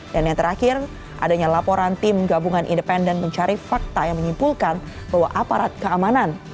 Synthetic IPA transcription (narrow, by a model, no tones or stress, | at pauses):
danjaŋt̪əɾakɪr | ʔa̰daɲalapoɾant̪ɪmɡabuŋanʔḭndəpɛndənməɲt͡ʃaɾifak̚t̪ajaŋməɲimpulkan | bawaʔapaɾat̪̚kəamanan